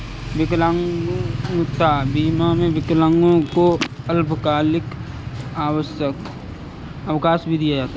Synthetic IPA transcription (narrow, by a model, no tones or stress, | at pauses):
ʋɪklãŋɡt̪abiːmamẽʋɪklãŋɡõko | əlbʱkaːlɪk | aːwəʃjək | əʋkaːsbʱid̪ijad͡ʒaːt̪a